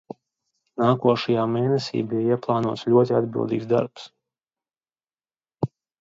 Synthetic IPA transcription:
naːkuɔʃajaːmeːnɛsḭːbijaiɛplˠɑːnuɔt̪slʲuɔt̪ia̰d̪bḭlˠd̪ḭːɡzd̪a̰ɾps

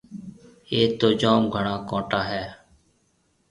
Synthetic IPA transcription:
eːt̪oːd͡ʒoːmɡʱəɳãːkõːʈaːɦɛː

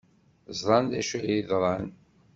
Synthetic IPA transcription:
zɾˤɑnd̪æʃəjiðɾˤɑn

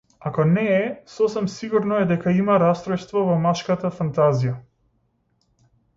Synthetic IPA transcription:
akɔnɛːsɔsɛmsiɡuɾnɔɛd̪ɛkaimaɾast̪ɾɔjst̪vɔvɔmaʃkat̪afant̪azija

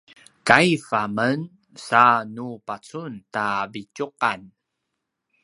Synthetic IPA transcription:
kajfamən | sanupat͡suntabicuqan

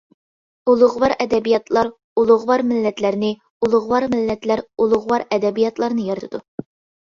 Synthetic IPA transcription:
ulˠʊʁwɑɾɛd̪ɛbijɑt̪lˠɑɾ | ulˠʊʁwɑɾmɪlːɛt̪læɾnɪ | ulˠʊʁwɑɾmɪlːɛt̪læɾulˠʊʁwɑɾɛd̪ɛbijɑt̪lˠɑɾnɨjɑɾt̪ʰɨd̪u

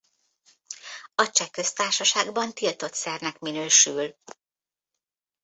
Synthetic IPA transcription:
ɒt͡ʃɛkø̞st̪aːrʃɒʃaːɡbɒnt̪ilt̪o̞t̪sɛrnɛkminøːʃyl

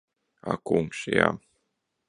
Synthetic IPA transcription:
a̰kuŋkʃja̰ː

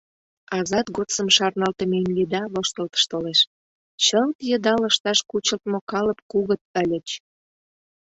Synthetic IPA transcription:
ɑzɑt̪ɣot̪t͡səmʃɑrnɑlt̪ə̆memjed̪ɑβoʃt̪əlt̪ə̥ʃt̪oleʃ | t͡ɕəlt̪jə̆d̪ɑlə̆ʃt̪ɑʃkut͡ɕəlt̪mokɑlə̆p̚kuɣə̆t̪̚ə̆lʲə̆t͡ɕ

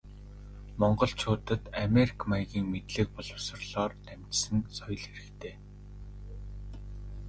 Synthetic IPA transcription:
mɔɴɢɞ̆ɮt͡ɕʰʊːt̪ə̆t̪ameɾi̥kʰmajɣiːŋmet̪ɮɘ̆k̚pɔɮɞ̆wsə̆rɮɔːrt̪æm̥ʲt͡ɕsɘ̆nsɔj̆ɮxeɾɘ̆kt̪ʰeː

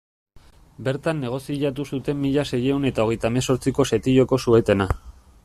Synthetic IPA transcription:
be̞ɾt̪anːe̞ɣ̞o̞siʎat̪̬usut̪e̞mːiʎase̞je̞une̞t̪ao̞ɣ̞e̞jt̪aemeso̞ɾt͡siko̞se̞t̪iʎo̞ko̞sue̞t̪e̞na

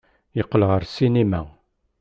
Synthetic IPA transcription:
jəqːəlʁəɾsinemæ

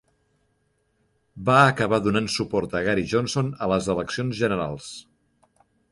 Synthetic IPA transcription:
baəkəβaðunansupɔɾt̪əɣaɾiʒonsonələzələksionzʒənəɾa̰lˠs

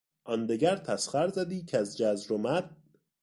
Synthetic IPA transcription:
ʔɒnd̪eɡæɾt̪ʰæsχæɾzæd̪iːcʰeæzd͡ʒæzɾomæd̪̥̚

